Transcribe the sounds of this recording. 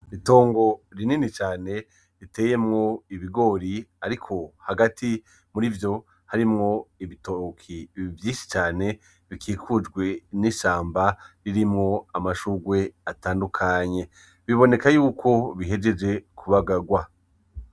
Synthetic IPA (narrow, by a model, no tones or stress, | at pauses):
ito̞ːŋɡo̞ɾininit͡ʃaːne̞ | ɾite̞ːje̞mŋo̞iβiɡo̞ːɾiaɾikʰo̞haɡatʰi | muɾivjo̞ | haɾimŋo̞iβitokʰivjiːʃi̥t͡ʃaːne̞ | βikʰiːkʰud͡ʒɡwe̞niʃaːmbaɾiɾimŋo̞amaʃuɡwe̞ataːndukʰaɲe̞ | βiβo̞ne̞kajuːkʰo̞βiɦe̞d͡ʒe̞d͡ʒe̞kʰuβaɡaɡwa